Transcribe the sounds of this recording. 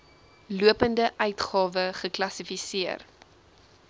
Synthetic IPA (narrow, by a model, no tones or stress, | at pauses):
luəpəndəʔœɥtχɑːvəχəklɐsifisiər